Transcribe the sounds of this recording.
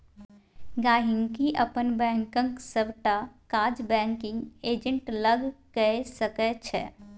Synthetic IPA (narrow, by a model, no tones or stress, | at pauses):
ɡaːɦɪŋɡkiʔəpənbɛ̃ːŋkə̃ŋksəbʈakaːd͡ʒbɛ̃ːŋkɪ̃ŋɡeːd͡ʒə̃ɳʈləɡkɛsəkɛt͡ʃʰɛ̰ː